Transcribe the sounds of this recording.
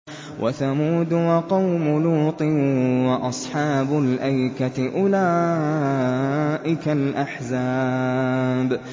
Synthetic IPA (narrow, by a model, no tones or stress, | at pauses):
wʔa̰θamuːd̪wɑqɑwmʊluːt̪ˤɨwɑʔɑsˤħɑːbʊlʔajkatɪʔʊlaː | ʔɪkalʔaħzaː | b